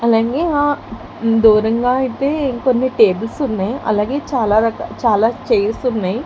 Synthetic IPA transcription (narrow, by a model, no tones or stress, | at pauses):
ɐlaːɡeːaː | d̪uːɾɐŋɡaːɐit̪eːkonːiʈeːbɐlsunːaːjiʔɐ̰laːɡe̞ːt͡ʃaːlaːɾɐkɐt͡ʃaːlaːt͡ʃejlsunːaːji